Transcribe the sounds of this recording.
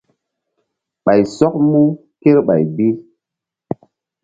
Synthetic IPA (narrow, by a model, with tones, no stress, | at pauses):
ɓa˨jsɔ˦k̚mu˦ | ke˦ɾɓa̰˨jbi˦